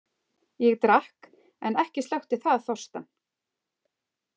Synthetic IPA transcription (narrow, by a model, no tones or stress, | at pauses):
jɛɣt̪ɾahk | ɛnɛhcɪst̪awht̪ɪθaðθɔr̥st̪an